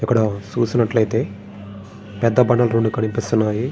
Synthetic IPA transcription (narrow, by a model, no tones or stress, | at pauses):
ikːɐɽɐt͡ʃuːsinɐʈlɐjt̪e̞ː | pɛd̪ːɐbɐɳːɐlɐɾoɳɖukɐnipist̪unːaːji